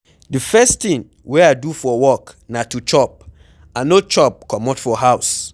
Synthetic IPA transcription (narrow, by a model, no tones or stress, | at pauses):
dɨfɛst̪ĩn | wiadufɔwɔknãtut͡ʃɔp̚ | ãnot͡ʃɔp̚kʰɔmɔtfɔɦaʊs